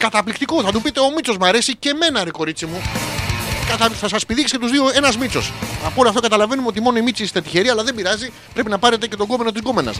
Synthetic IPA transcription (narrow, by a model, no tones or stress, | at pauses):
kɐt̪ɐplikt̪ikoθɐt̪upit̪e̞o̞mit͡so̞zmɐɾe̞sice̞me̞nɐɾiko̞ɾit͡simu | kɐt̪ɐθɐsɐse̥piðikscet̪uzðio̞e̞nɐzmit͡so̞sɐpoloɐft̪o̞kɐt̪ɐlɐve̞numeo̞t̪̬imo̞noimit͡sist̪et̪içe̞ɾiɐlɐðembiɾɐzi | pɾe̞pinɐpɐɾe̞t̪e̞ce̞t̪o̞ɡo̞meno̞t̪izɡo̞me̞nɐ̰s